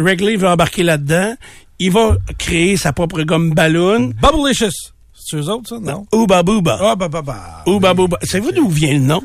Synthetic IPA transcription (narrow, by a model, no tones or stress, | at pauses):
ʁɛɡlivøɑ̃baʁ̥kʲelad̪ã | ilvakʁeesapʁɔpʁəɡɔmbalʊnbablɪʃəs | søzoʊt̪sɔnɔ̃ubabuba̰abababaubabubasavevud̪uvjɛ̃lənɔ̃